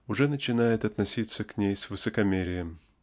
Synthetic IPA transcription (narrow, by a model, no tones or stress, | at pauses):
ʊʐɛnət͡ɕɪnajɪt̪ɐt̪nɐsʲit̪sːəknʲejsvɨsəkɐmʲeɾʲɪjəm